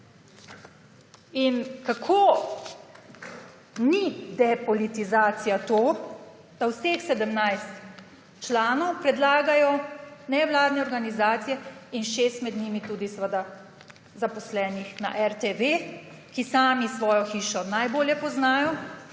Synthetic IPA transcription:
inkakʰoː | nid̪ɛpɔlit̪izaːt̪sijat̪oː | d̪̥awsexsɛd̪əmnajst̪ | t͡ʃlaːnɔwpɾɛd̪laːɡajɔnɛʋlaːd̪nɛɔɾɡanizaːt̪sijɛinʃeːst̪mɛd̪niːmit̪uːd̪isəʋəd̪a | zapɔslɛːnixna̰ʔɛɾt̪eʋe | kisaːmisʋɔːjɔxiːʃɔnajboːljɛpɔznaːjɔ

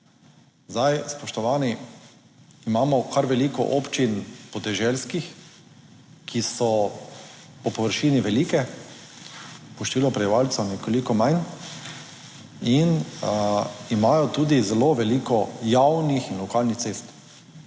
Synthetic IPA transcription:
zd̪ajspɔʃt̪ɔʋaːni | imaːmɔkaɾʋɛlikɔ̰ʔɔpt͡ʃinpɔd̪ɛʒɛlskix | kʰisɔ | pɔpɔʋəɾʃiːniʋɛlikɛ | pɔʃt̪ʋiːlɔpɾɛiʋalt̪sɔnɛkolikɔmajn | in | imaːjɔt̪uːd̪izɛloʋɛliːkɔjawnixinlɔkaːlnixt̪seːst̪

